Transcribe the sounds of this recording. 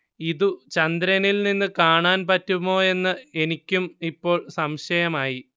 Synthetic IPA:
iðut͡ɕɐnd̪ɾɐnilninːɨkaːɳaːnpɐtːumːo̞ːe̞nːɨe̞nikʲːumipːo̞ːɭsɐmɕɐjɐmaːji

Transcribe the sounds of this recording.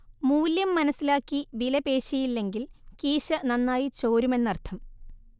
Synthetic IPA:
muːljɐmːɐnɐsːilaːkːiʋilɐpe̞ːɕɐjilːe̞ŋɡilkiːɕɐnɐnːaːjit͡ɕo̞ːɾume̞nːɐrt̪ʰɐm

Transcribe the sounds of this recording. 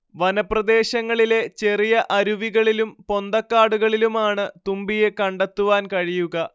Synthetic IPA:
ʋɐnɐprɐd̪e̞ːɕɐŋːɐɭile̞t͡ɕe̞rijɐʔɐɾuʋiɣɐɭilumpo̞nd̪ɐkːaːɽuɣɐɭilumaːɳɨt̪umbije̞kɐɳɖɐt̪ːuʋaːnkɐɻijuɣɐ

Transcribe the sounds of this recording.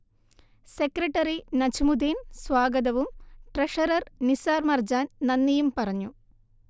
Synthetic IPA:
sekɾɐʈːɐɾinɐt͡ɕimud̪iːnsʋaːɡɐd̪ɐʋumʈreʂɐɾɐrnisaːrmɐrd͡ʑaːnnɐnːɐjumpɐrɐɲːu

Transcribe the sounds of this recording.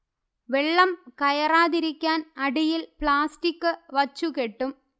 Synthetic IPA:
ʋeɭːɐmkɐjɐraːðiɾikʲːaːnɐɽijilpɭaːstikːɨʋɐt͡ɕːukeʈːum

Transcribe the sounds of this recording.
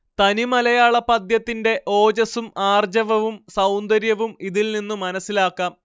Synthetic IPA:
t̪ɐnimɐlɐjaːɭɐpɐd̪jɐt̪ːinde̞ʔo̞ːd͡ʑɐsumaːrd͡ʑɐʋɐʋumsɐwnd̪ɐɾjɐʋumiðilninːumːɐnɐsːilaːkːaːm

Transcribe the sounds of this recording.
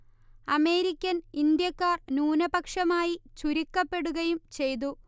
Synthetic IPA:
ɐme̞ːɾikʲːɐnind̪jɐkːaːrnuːnɐbɐkʂɐmaːjit͡ɕuɾikːɐpːe̞ɽuɣɐjumt͡ɕe̞jt̪̬u

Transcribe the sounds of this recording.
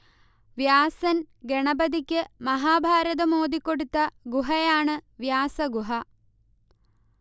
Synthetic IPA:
ʋjaːsɐn | ɡeɳɐbɐd̪ikʲːɨmɐɦaːbʱaːɾɐðɐmo̞ːd̪ikːo̞ɽut̪ːɐɡuɦɐjaːɳɨʋjaːsɐɡuɦɐ

